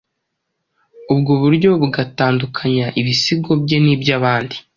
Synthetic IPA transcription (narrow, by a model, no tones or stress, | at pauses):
ubɡoβuɾɟo̞βuɡataːndukʰaɲaʔiβisiɡo̞bɟe̞nibjaβaːndi